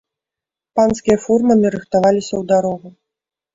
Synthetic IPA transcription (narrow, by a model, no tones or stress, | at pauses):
panskʲijɐfurmɐmʲiɾɨxt̪avalʲisʲɐwd̪aɾɔɣu